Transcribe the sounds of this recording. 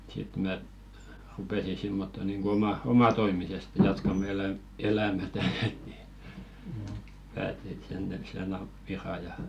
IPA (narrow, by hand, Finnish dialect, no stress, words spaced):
sit mæ rupeˑsi simːotːo niŋɡ̊o omɑ omɑtoimiseste jɑtkɑmɑ̆ elæm elæmætæ ni pæːti et sen jɑ jɑ jɑ